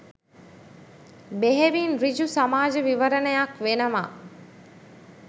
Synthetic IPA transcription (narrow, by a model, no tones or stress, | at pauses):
beɦeʋiːnɾid͡ʒusamaːd͡ʒəʋiʋəɾənəjakʋenəma